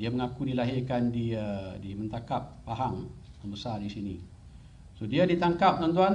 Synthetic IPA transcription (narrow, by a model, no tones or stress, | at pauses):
diaməŋakudilaɦɪrkandiədimə̃nt̪akap̚ːaɦaŋ | əbəsardisini | sodiadit̪aŋkap̚t̪ont̪̬uan